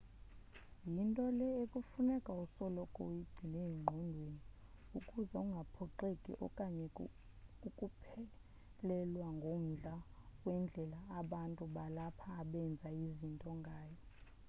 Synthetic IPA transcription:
jintʼɔlɛekʼufunɛkʼausɔlɔkʼoiɡ͡ǀ̥ʱinejiŋ͡ǃʱɔndʱweniukʼuzɛuŋɡʱapʰɔǃekʼḭʔɔ̰kʼaɲɛ | ukʼupʰɛ | lɛlwaŋɡʱom̩ɮawɛnd͡ɮʱɛlaːɓantʼuɓalapʰaːɓɛnd͡zʱaizintʼɔŋɡʱaːjɔ

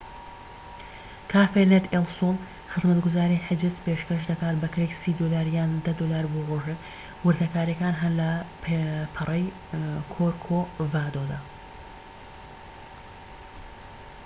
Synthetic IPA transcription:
kʰaːfenet̪elson | xɨzmɐt̪ɡʊzaːɾiħɪd͡ʒɪzpeːʃkɐʃd̪ɐkaːt̪bɐkɾeksiːd̪olaːɾjaːnd̪ɐd̪olaːɾboʁoːʒek | wʊɾd̪ɐkaːɾjɐkaːnɦɐnlɐppʰɨrˤɐj | kʰoɾkʰovaːd̪od̪aː

